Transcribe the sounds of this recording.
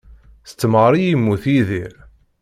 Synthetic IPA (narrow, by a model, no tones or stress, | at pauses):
θət͡sːməʁɾˤijimːuθiðiɾ